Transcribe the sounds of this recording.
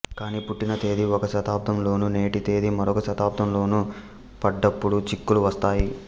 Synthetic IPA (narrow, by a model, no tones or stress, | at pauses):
kaːniːpuʈːinɐt̪e̞ːd̪iɔkɐʃɐt̪aːpt̪ʰɐmlo̞ːnune̞ːʈit̪e̞ːd̪imɐɾɔkɐʃɐt̪aːp̚t̪ɐmlo̞ːnu | pɐɖːɐpːuɽut͡ʃikːuluʋɐst̪aːji